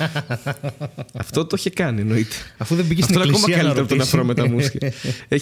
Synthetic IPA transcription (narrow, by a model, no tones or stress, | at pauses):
ɐft̪ot̪oçekɐnieno̞it̪eɐfuðebiʝsɐft̪onɐkomɐkɐɐlieɾɐpot̪oneɐfoɾomet̪ɐmusçɐe